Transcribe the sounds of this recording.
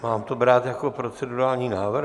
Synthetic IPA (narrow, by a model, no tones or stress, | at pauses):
maːmt̪obɾaːt̪jakopɾot͡sɛduɾaːlɲiːnaːvr